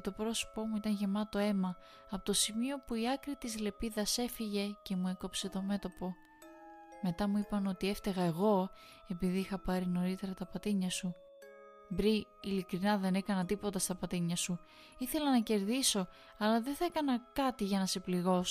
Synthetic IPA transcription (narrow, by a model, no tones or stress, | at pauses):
t̪o̞pɾo̞so̥po̞muit̪ɐnʝe̞mɐt̪o̞e̞mɐ | ɐpot̪o̞simio̞puiɐkɾit̪izle̞piðɐse̞fiʝe̞ce̞mue̞ko̞pse̞t̪o̞me̞t̪o̞po̞ | me̞t̪ɐmuipɐno̞t̪ie̞ft̪eɣɐe̞ɣo̞ | e̞piðiixɐpɐɾino̞ɾit̪e̞ɾɐt̪ɐpɐt̪iɲɐsu | bɾiilikɾinɐðe̞ne̞kɐnɐt̪ipo̞t̪ɐst̪ɐpɐt̪iɲɐsu | iθe̞lɐnɐce̞ɾðiso̞ | ɐlɐðeθɐekɐnɐkɐt̪iʝɐnɐse̞pliɣo̞s